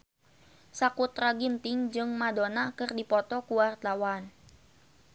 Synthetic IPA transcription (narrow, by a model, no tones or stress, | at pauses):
sakut̪raɡint̪ɪŋd͡ʒɨŋmadonakɨrdipɔt̪ɔkuwart̪awan